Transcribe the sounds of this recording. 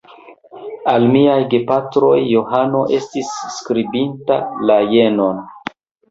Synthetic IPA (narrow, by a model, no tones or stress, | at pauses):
almiajɡepatɾo̞jːo̞ɦano̞ʔe̞stisːkɾibinta̰laje̞no̞n